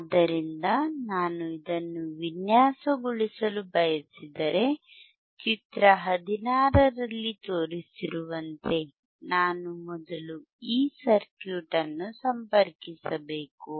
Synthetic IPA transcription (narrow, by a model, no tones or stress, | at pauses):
ɐd̪ːɐɾind̪ɐnaːnuid̪ɐnːuʋinjaːsɐɡuɭisɐlubɐjɐsid̪ɐɾe̞ | t͡ʃit̪ɾɐɦɐd̪inaːɾɐɾɐlːit̪o̞ːɾisiɾuʋɐnt̪e̞ | naːnumɔd̪ɐlu | iːsɐɾkjuːʈɐnːusɐmpɐɾkisɐbeːku